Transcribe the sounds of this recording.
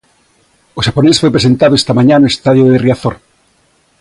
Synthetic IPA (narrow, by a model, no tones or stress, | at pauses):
oʃaponesfojpɾesent̪aðoest̪amãɲanoest̪aðjoðeriaθoɾ